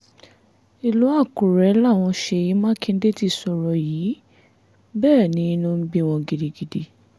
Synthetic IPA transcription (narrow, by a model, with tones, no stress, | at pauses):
i˧lu˨˦a˦˨ku˨ɾɛ˨˦la˦˨w̃ɔ̃˧ʃe˧ji˨˦mãː˦kĩ˦˧n̩˦de˦ti˧sɔ˧ɾɔ˨jiː˨˦ | bɛː˦˨nĩ˨˦nũ˧˦bĩ˧˨w̃ɔ̃˧ɡi˨di˧ɡi˨de˧